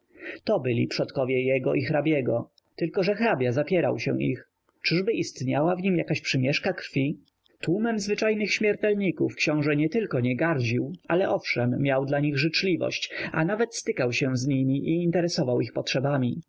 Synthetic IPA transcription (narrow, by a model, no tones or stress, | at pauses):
t̪ɔbɘlʲḭpʂɔt̪kɔvʲjɛjɛɡɔ̰ʔixɾabʲjɛɡɔ | t̪ɘlkɔʐɛxɾabʲjazapʲjɛɾa̰wɕɛ̰ḭx | t͡ʂɘʐbɘʔist̪ɲawavɲimjakaɕpʂɘmʲjɛʂkakɾfʲi | t̪wumɛmzvɘt͡ʂajnɘxɕmʲjɛɾt̪ɛlɲikufkɕɔ̃w̃ʐɛɲɛt̪ɘlkɔɲɛɡaɾd͡ʑiwalɛʔɔfʂɛmːʲjawd̪laɲiɣʐɘt͡ʂlʲivɔ̰ɕt͡ɕa̰navɛt̪st̪ɘkawɕɛ̃zɲimʲiʔiːnt̪ɛɾɛsɔvawixpɔtʂɛbamʲi